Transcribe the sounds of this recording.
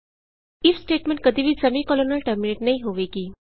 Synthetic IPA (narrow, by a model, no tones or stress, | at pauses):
ifsʈeʈmẽɳʈ̚kəd̪ʱiːʋiːd͡zəmiːkɔlonəlʈəɾmineʈnaɦiɦoʋekiː